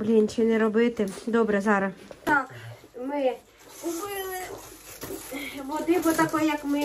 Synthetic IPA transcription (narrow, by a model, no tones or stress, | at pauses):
blʲinʲt͡ʃinɛɾɔbɪt̪ɪd̪ɔbɾɛzɑɾɐt̪ɑkmɪ | ʊbɪ | ʋɔd̪ɪbɔt̪ɐkɔjjɐkmɪ